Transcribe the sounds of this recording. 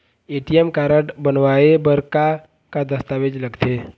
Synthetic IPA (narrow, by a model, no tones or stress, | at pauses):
eːʈijemkaːɾəʈbənʋaːebəɾka | kad̪əst̪aːʋed͡ʒləɡt̪ʰeː